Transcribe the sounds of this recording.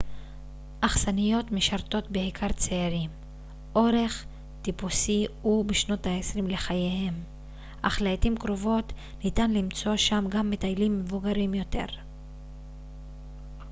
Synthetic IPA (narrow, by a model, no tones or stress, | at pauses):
ʔaχsanijo̞t̪meʃaʁto̞t̪beikʰaʁt͡seaʁim | ʔo̞ɾe̞χ | t̪ipusiubeʃno̞taesʁimle̞χajehe̞m | ʔaχlajtimkɾo̞vo̞t̪ | nitanlimt͡so̞ʃamɡamːetajlimːevuɡaɾimjo̞te̞̰ʁ